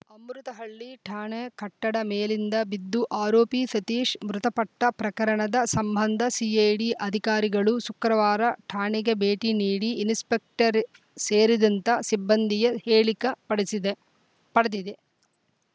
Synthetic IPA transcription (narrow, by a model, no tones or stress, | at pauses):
ɐmɾut̪ɐɦɐɭːiʈʰaːɳekɐʈːɐɽɐmeːlind̪ɐbid̪ːuʔaːɾoːpit̪ɐt̪iːʂmɾut̪ɐpɐʈːɐpɾɐkɐɾɐɳɐd̪ɐsɐmbʱɐnd̪ʱɐsiːɐjɖiʔɐd̪ʱikaːɾiɡɐɭusukɾɐʋaːɾɐʈʰaːɳiɡebeːʈiniːɽiːnspek̚ʈɐɾ | seːɾid̪ɐnt̪ɐsibːɐnd̪ʱijɐheːɭikɐɐɽid̪ | pɐɽed̪id̪e